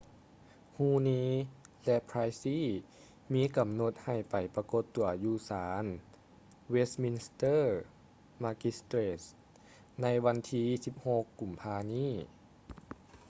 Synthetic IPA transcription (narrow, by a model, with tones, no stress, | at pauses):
huː˧˩niː˧˥lɛ˧ʔpʰɾaː˧jsiː˧˥˨ | miː˧˥ka˨˩mno˧˦t̪̚ha˨˩jpa˨˩jpa˧ko˧˦t̪ːu˨˩ɐjuː˧˩saː˩˦n | we˧˥smi˧n˧st̪ɤː˥˩ | ma˧˥ki˧˥st̪ɾe˧s | na˧˥jʋa˧˥nt̪ʰiː˧˥si˧˦p̚ho˧kːu˨˩mpʰaː˧niː˥˨